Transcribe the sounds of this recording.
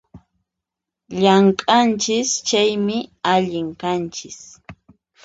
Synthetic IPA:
ʎaŋkʼant͡ʃɪst͡ʃajmɪaʎɪŋkant͡ʃɪs

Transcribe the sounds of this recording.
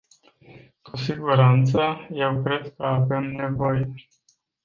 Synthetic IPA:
kusiɡuɾant̪səje̞wkɾe̞d̪̚kəave̞mne̞vo̞je

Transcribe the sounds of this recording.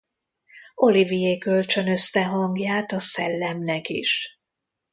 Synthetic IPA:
o̞livijeːkølt͡ʃø̞nø̞st̪ɛɦɒŋɡjaːt̪ɒsɛlːɛmnɛkḭʃ

